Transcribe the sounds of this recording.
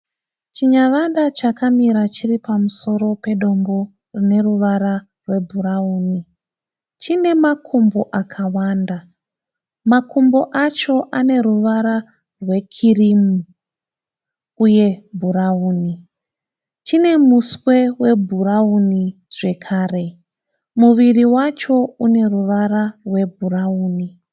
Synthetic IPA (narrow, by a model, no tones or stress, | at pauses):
t͡ʃiɲaʋaɗat͡ʃakamiɾat͡ʃiripamuso̞ɾo̞pe̞ɗo̞ŋɡo̞ | rine̞ruʋaɾa | rwe̞bʱurauːni | t͡ʃine̞makʰumbo̞ʔakʰawaːnda | makʰumbo̞ʔat͡ʃo̞ʔane̞ɾuʋaɾa | rwe̞kʰirimu | uje̞bʱuɾauːni | t͡ʃine̞muswe̞we̞bʱurauniʐ̥e̞kʰaːre̞ | muʋiriwat͡ʃo̞une̞ruʋararwe̞bʱurauːni